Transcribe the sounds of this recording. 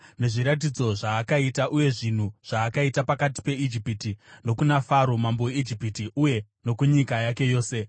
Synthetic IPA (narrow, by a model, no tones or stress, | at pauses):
ne̞ʐiɾat̬id͡zo̞ʐaːkaitaʔuje̞ʐin̤uʐ̥aːkaitapakati̥pe̞id͡ʒipitino̞kunafaɾo̞mamboweid͡ʒipitiuje̞ | no̞kuɲikajake̞jo̞ːse̞